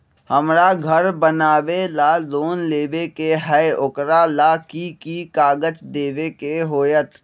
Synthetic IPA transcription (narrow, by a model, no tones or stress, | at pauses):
həmɾaɡʱəɾbənaːʋelaloːnleːʋekeɦɛʊkɾalakikikaːɡət͡ʃd̪eːʋekeɦoːjət̪